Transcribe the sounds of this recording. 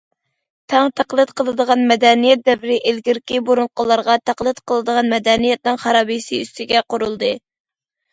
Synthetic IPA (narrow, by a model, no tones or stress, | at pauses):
t̪ʰɛŋt̪ʰæqlˠɨt̪̚qʰəlˠɨd̪əʁɑnmɛd̪ɛnijɛt̪̚d̪ɛvɪɾɪʔelɡʲiɾkʲiboɾuɴqʊlˠɑɾʁɑt̪ʰæqlˠɨt̪qʰəlˠɨd̪əʁɑnmɛd̪ɛnijɛt̪̚nɨŋχɑɾɑːbijsiyst̪ɪɡʲɛqoɾulˠd̪ɨ